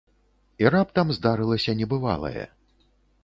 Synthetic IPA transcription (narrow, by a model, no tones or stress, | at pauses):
irap̚t̪ɐmzd̪aɾɨlˠɐsʲɐnʲɛbɨva̰lˠɐ̰jɛ̰